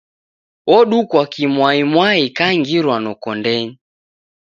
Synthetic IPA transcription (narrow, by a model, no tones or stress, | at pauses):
wɔɗukwakimwaimwaikaŋɡiɾwanɔkɔndɛɲi